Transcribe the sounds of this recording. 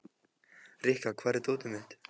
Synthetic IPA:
rihkakʰvaːɾɪt̪oːt̪ʏmɪht̪

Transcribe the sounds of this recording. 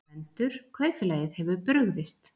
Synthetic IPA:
ɛnt̪ʏɾ̥kʰvœːɥfɪlaːjɪðhɛvʏpɾʏɣðɪst̪

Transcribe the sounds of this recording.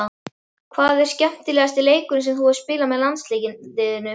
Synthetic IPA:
kʰvaːðɛɾ̥scɛm̥t̪ɪlɛːɣast̪ɪleːjkʏnʏsɛmθuḁspɪːlamɛðlant̪sliːcɪlɪːðɪnːʏ

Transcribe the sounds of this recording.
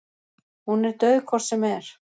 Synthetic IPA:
hunɛɾt̪œːɥkʰvɔɾ̥sɛmɛɾ̥

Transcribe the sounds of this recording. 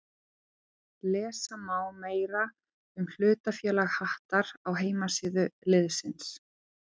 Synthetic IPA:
lɛːsamaːwmeːjɾa | ʏml̥ʏːt̪afjœːlaɣhaht̪aɾawɦeːjmasɪːðʏlɪðsɪns

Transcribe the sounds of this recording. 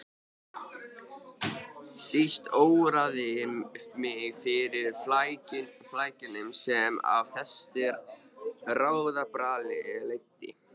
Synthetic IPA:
sist̪oːwɾaðɪmmɪɣfɪɾɪɾ̥flajcɪflaːjcɪnʏmsɛma̰vθɛsɪɾ | raːwðapɾaːlɪðlejt̪ːɪ̰

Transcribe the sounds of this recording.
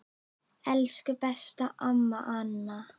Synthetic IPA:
ɛlskʏpɛst̪aʔamːa̰ʔanːa

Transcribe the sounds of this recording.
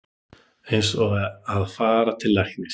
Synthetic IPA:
ensɔɣɛaðfaːɾat̪ʰɪllːajxnɪ

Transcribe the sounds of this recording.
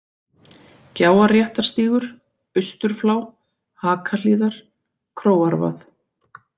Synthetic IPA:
caːwaɾrjɛht̪aɾ̥st̪iːɣʏɾ̥ | ʏst̪ʏɾ̥flaːw | haːkʰaliːðaɾ̥ | kʰɾoːwaɾva̰θ

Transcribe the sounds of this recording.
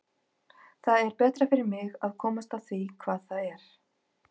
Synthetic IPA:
θaðɛɾpɛːt̪ɾafɪɾɪɾmɪɣaðkʰɔːmast̪aθikʰvaːðθaðɛɾ̥

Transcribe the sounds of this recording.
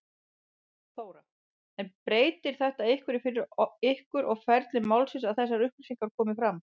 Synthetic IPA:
θoːwɾa | ɛnpɾeːjt̪ɪɾ̥θɛht̪aɪhkvʏɾɪfɪɾɪɾɪhkʏɾʔɔɣfɛɾt̪lɪmawlsɪnsaðθɛsːaɾʏhpisiŋkaɾkʰɔːmɪfɾam

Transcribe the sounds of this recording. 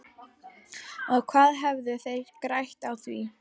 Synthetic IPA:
ɔɣkʰvaːðɦɛvðʏθejɾkɾajht̪awθvi

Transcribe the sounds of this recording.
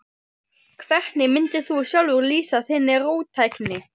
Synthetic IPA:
kʰvɛr̥t̪nɪmɪnt̪ɪθusjœlvʏɾliːsaθɪnːɪroːwt̪ʰajknɪ

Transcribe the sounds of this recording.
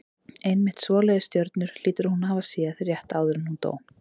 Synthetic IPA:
ejnmɪht̪svɔːlɛjðɪst̪jœɾt̪nʏɾ̥l̥iːt̪ɪɾhunaːvasiːaθɾjɛht̪aːwðʏɾɪmhunt̪o̰ːwn

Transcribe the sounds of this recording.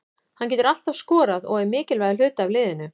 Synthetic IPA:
hanc̬ɛːt̪ʏɾal̥t̪av̥skɔːɾaðɔɣɛɾmɪːcɪlvaːjðɪlʏːt̪ɪavlɪːðɪnʏ

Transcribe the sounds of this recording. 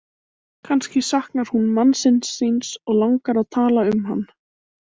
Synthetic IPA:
kʰanscɪsahknaɾ̥hunmansɪnsːinsɔɣlaŋkaɾaðt̪ʰaːlaʏmɦa̰nː

